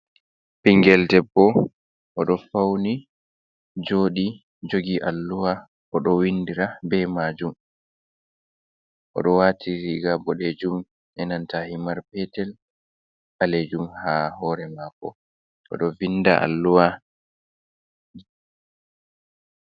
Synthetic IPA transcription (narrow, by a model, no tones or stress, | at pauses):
piŋɡɛltɛbːɔ | ʔɔɗɔfawni | d͡ʒoɗi | d͡ʒoɡiʔalːuwa | ʔɔɗɔwindiɾabɛmaːd͡ʒum | ʔɔ̰ɗɔwatʰiɾiɡabɔɗed͡ʒum | ʔɛnantahimaɾpɛtɛl | aled͡ʒumhahɔɾɛmakːɔ̰ | ʔɔ̰ɗɔvinːda̰ʔa̰lːuwa